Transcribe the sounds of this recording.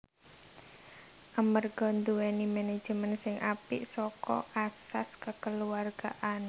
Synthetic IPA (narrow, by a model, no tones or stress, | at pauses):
ʔəmərɡ̥ɔ̤nd̪uwɛnimɛned̥ʒ̥əmənsɪŋʔapḭʔsɔkɔ̰ʔasaskəkəluarɡ̥aʔan